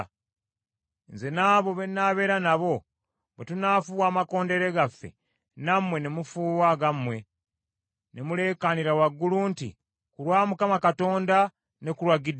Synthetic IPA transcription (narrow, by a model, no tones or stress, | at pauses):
nze̞naːβo̞βe̞nːaːβe̞ːɾanaβo̞ | βetunaːfuβwaːmako̞ːnde̞ɾe̞ɡafːe̞̰ | namwe̞nemufuːwaɡamwe̞ | nemule̞ːkaniɾawaɡːuluntḭ | kuɾwaːmukamakato̞ːnda | nekuɾwaɡid